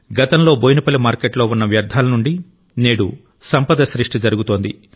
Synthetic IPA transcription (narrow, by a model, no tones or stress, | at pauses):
ɡɐt̪ɐmlo̞ːboːjnipɐlimaːɾkeʈlo̞ːunːɐʋjɐɾd̪ʱaːlɐnuɳɖi | neːɽṵ | sɐmpɐd̪ɐʃɾiʂʈid͡ʒɐɾuɡut̪o̞ːnd̪i